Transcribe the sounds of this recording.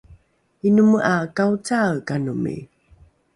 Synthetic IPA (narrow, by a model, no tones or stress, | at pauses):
inuməʔakawt͡sakanumḭ